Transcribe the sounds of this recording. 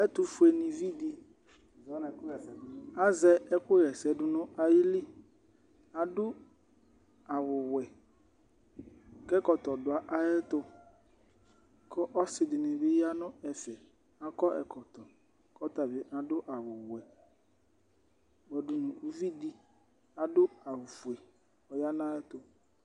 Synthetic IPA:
ɛ˦tʊ˦fʊ˨˦ɛ˨nɪ̃˨vi˦di˦˨ | zɔ˨˦na˨˦kʊ˦ɛ˨ɛ˨˦a˦zɛ˦ɛ˦kʊ˦ɾɛ˨sɛ˨dʊ˦nʊ̃˦a˨jɪ˦li˦ | a˨dʊ˦ | a˨wʊ˨wɛ˨ | kɛ˦kɔ˨tɔ˨dʊ˨a˨ʔa˦jɛ˦tʊ˦ | kɔ˦ʔɔ˦sɪ˨dɪ˨nɪ˨bɪ˦ja˦nʊ̃˦ɛ˨fɛ˨ | a˦kɔ˦ʔɛ̰˨kʰɔ˨tɔ˨ | kɔ˦ta˨bɪ˨ʔa˨dʊ˦ʔa˨wʊ˨wɛ˨ | ɡ͡bɛ˨dʊ˨nʊ̃˨u˦vi˦di˦ | a˨dʊ˦a˨wfu˨e˨ | ɔ˨ja˦na˦ɛ˦tʊ˨

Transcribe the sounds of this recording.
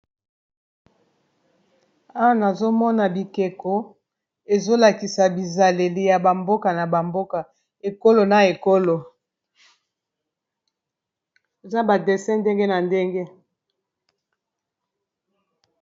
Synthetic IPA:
a˦wa˨na˨zo˦mɔ˦na˨bi˨ke˨ko˦ | e˨zo˦la˨ki˨sa˨bi˨za˨le˨li˨ja˨ba˨mbo˦ka˨na˨ba˨mbo˦ka˨ | e˨ko˦lo˨na˨e˨ko˦lo˨ | e˨za˦ba˨de˨sɛ̃˦nde˦ŋɡe˦na˨nde˦ŋɡe˦

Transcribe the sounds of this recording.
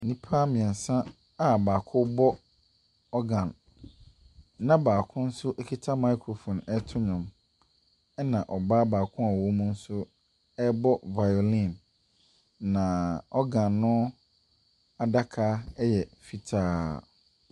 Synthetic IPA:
nĩ˦pʰaː˦mɪ̃˨ɛ̃˨n˨sã˦ | a˦baː˨kʰʊ˦bɔ˦ | ɔ˦ɡã˨n | nã˦baː˨kʰʊ̃˦n̩˦sʊ˦ʔe˦kʰi˦tʰa˦ma˦kʰɾo˨fɔ̃˨nɛ˦tʰʊ˦ɲã˨m | ɛ˦nã˨ʔɔ˨ba˦baː˨kʰʊ̃˦a˨wo˦mũ˦n̩˦sʊ˦ | ɛ˦bɔ˦va˨jo˨lĩ˦˨n | ã˨ɔ˦ɡã˨nːʊ̃˦ | a˨da˦kʰa˦ɛ˦jɛ˨fi˦tʰaː˦

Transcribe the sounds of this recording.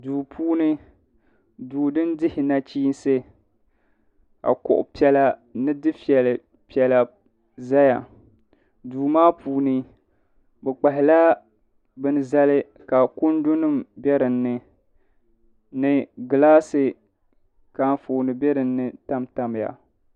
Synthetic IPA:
duː˨pʰuː˦nɨ˦ | duː˨dɨ˦n˦dɪ˦hɪ˨na˦t͡ʃiː˦n˦sɨ˦ | ka̰˨kʊ̰˨ʔʊ̰˨pi˦ɛ˦la˦nɨ˦dɨ˦fi˦ɛ˨lɨ˨ | pi˨˦ɛ˨la˨ | za˦ja̰˨ | duː˨maː˦puː˨nɨ˦ | bɛ˨k͡pa˨ɦɪ˨la˦ | bɨ˦n˦˨za˦lɨ˦ | ka˨kʊ˦ndʊ˦nɨ˦˨mbɛ˦ɾɨ˨nːɨ˨ | nɨ˨ɡɨ˨laː˦sɨ˨ | ka˨˦nfoː˨nɨ˨bɛ˦ɾɨ˨nːɨ˨ta˦mta˨m˨ja̰˨

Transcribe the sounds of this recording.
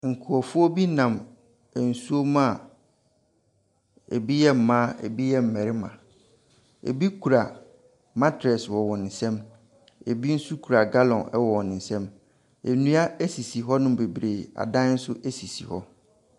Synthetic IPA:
ŋ̩˨kʰʊ˨ɔ˨fʊ˦ɔ˦bi˦nã˨m˨ | n̩˨su˦o˦mã˦˨ | ḛ˨bi˦jɛ˦m̩˨mã˦ḛ˨bi˦jɛ˦m̩˨mɛ̃˨ɾɪ˦mã̰˨ | ḛ˨bi˦kʰu˨ɾa˨ | mã˦tʰɛ˨swɔ˨wɔ˨nɪ̃˨n̩˨sɛ̃˦m | e˨bi˦n̩˦su˦kʰu˨ɾa˨ɡa˦lɔ̃˨nɛ˦wɔ˨wɔ˨nɪ̃˨n̩˨sɛ̃˦m | e˨nũ˦a˦e˦si˨si˨ɦɔ˦nʊ̃˦be˨bɾe˨a̰˨dã˦n̩˦sʊ˦ʔe˦si˨sḭ˨hɔ̰˦

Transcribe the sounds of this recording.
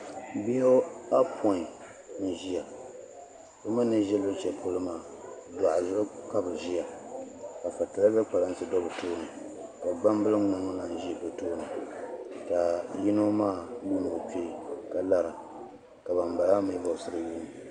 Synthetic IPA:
bi˦o˦a˦pʰɔ˨˦˨ | n̩˨ʒi˦ja˨ | bɨ˦mɨ˦nːɨ˦ʒɛ˦lʊ˦t͡ʃɛ˨pʰʊ˦lɨ˦maː˦˨da˨ʔa˨˦ka˦bɨ˨ʒi˦ja˨ka˨fa˨tɨ˨la˦bɛ˦k͡pa˨la˦n˦sɨ˦dɔ˦bɨ˨toː˦nɨ˨ | ka˨ɡ͡ba˦m˦bɨ˦lɨ˦ŋ͡ma˨ŋɔ˦la˨n̩˨ʒi˦˨bɨ˨toː˦nɨ˨ | ta˨ji˦no˦maː˦˨nu˦nɨ˨ɨ˨pe˦ka˨la˦ɾa˨ | ka˨ba˨mba˨la˦mɨ˦bɔ˨sɨ˦ɾɨ˦˨juː˦m˨

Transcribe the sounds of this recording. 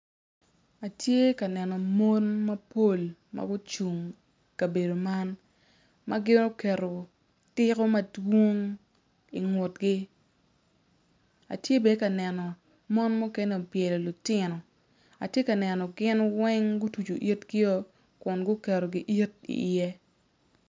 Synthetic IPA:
a˨tje˦ka˨nɛ˨nɔ˨mo˦nmɐ˦po˦˨lma̰˦ɡʊ˦t͡ʃu˨ŋ | ka˨be˨do˨ma˦n | ma˦ɡɪ˦no˦kɛ˨ɾo˨ | tɪ˦kɔ˦mɐ˦dwo˦ŋ | i˨ŋʊ˨t̚ɡɪ˦ | a̰˨tje˦be˨˦ka˨nɛ˨nɔ˨ | mo˦nmu˦kɛ˦nɛ˦o˨pjɛ˨lɔ˨lʊ˨tɪ˦nɔ˨ | a˨tje˦ka˨nɛ˨nɔ˨ɡɪ˦nwɛ˦ŋɡʊ˦tu˨t͡ʃo˨ʔi˦tɡɪ˦ɔ˦ | kʊ˨nɡʊ˦kɛ˨ɾo˨ɡɪ˦ʔi˦t̚ḭ˨jɛ˦

